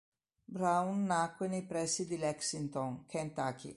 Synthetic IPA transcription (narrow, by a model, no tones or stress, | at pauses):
bɾawnːakːwenejpɾɛsid̪ilɛksint̪ɔŋkʰɛnt̪akḭ